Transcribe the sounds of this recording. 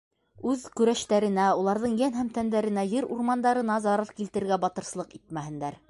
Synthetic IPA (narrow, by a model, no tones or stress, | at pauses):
ʉðkɵ̆ɾæʃt̪æɾɘ̆næulˠɑɾðɤɴjænɦæmt̪ænd̪æɾɘ̆næjɘɾuɾmɑnd̪ɑɾɤ̆nɑzɑɾɤɾkilt̪ɘ̆ɾɘɾɡæbɑt̪ɤ̆ɾslˠɤqit̪̚mæɦɘ̆nd̪æɾ